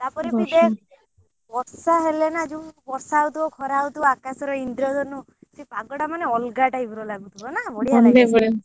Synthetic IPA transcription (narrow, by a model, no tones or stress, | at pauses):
t̪apɔɾibid̪e | bɔɾsaɦelenad͡ʒũbɔɾsawt̪ʰibɔkʰɔɾaut̪ʰibɔakasɔɾɔind̪ɾɔd̪ɔnu | sipaɡɔɽamaneɔlɡaʈaibʱuɾɔlaɡut̪ʰibɔnabɔɽijaɔnɖebɔɽia